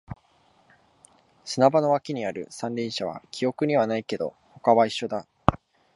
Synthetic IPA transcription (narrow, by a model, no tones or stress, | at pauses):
sɨnabano̞βakʲiɲ̟iaɾɯ̟̰sãnɾʲĩɰ̃ɕaβ̞a̰kʲʰio̞kɯ̟ɲ̟iβanaike̞d̪o̞̰ | ho̞kaβaiɕːo̞d̪a